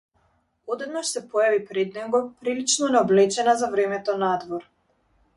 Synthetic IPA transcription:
ɔd̪ɛd̪naʃsɛpɔjavipɾɛd̪nɛɡɔpɾilit͡ʃnɔnɛɔblɛt͡ʃɛnazavɾɛmɛt̪ɔnad̪vɔɾ

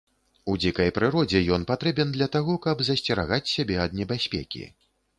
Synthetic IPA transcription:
ud͡zʲikɐjpɾɨɾɔd͡zʲɛjɔnpat̪ɾɛbʲɛnd̪lʲɐt̪aɣɔkɐbzɐsʲt͡sʲɛɾa̰ɣat͡sʲsʲabʲɛɐd̪̚nʲɛbʲasʲpʲɛ̰kʲḭ

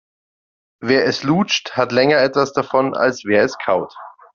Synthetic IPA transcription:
veːɐɛsluːt͡ʃthatlɛŋɐɛtv̥asd̥afɔna̰lsv̥eːɐɛskʰaʊt

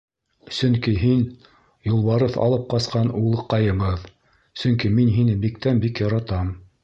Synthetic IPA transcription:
sɵŋkiɦin | julˠβɑɾɤθɑ̰lˠɤp̚qɑsqɑnulˠɤ̆qːɑjɤ̆βɤð | sɵŋkiminɦinɘbikt̪ænbikjɑɾɑt̪ɑm

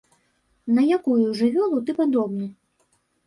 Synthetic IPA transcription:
nɐjakujuʐɨvʲɔlˠut̪ɨpad̪ɔbnɨ

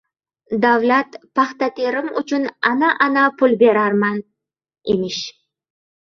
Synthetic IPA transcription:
d̪avlat̪pʰɑχt̪at̪ʰeɾɪmʊ̰t͡ʃʰʊnanaʔanapʰʊlbe̞ɾaɾman | emɪʃ

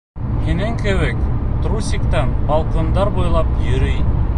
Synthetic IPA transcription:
hinɘŋkɘ̆βɘkt̪rusʲikt̪ɑnbɑlˠqɤ̆nd̪ɑɾbujlˠɑpjɵ̆ɾɘj

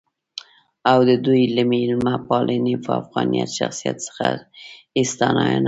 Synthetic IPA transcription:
awd̪əd̪ujləmeɪlmapɑlʔenefafɣɑnijat̪ʃaxsijat̪sə̥xa | ɪst̪anɑjana

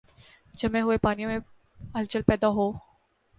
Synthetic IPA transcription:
d͡ʒɐmẽɦʊepaːnijõmẽ | ɐlt͡ʃəlpɛːd̪aɦoː

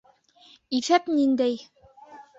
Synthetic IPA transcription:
iθæpnind̪æj

